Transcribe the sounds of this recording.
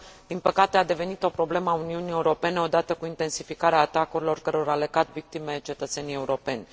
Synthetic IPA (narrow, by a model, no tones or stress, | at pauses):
d̪̥inpəkat̪e̞ad̪e̞ve̞nit̪o̞pɾo̞ble̞məauniunije̞uɾo̞pe̞neo̞d̪at̪əkuint̪e̞nsifikaɾeaːt̪akuɾilo̞rkəɾeaɾaleɡat̪vik̚t̪imet͡ʃe̞t̪ət̪se̞nije̞uɾo̞pe̞nʲ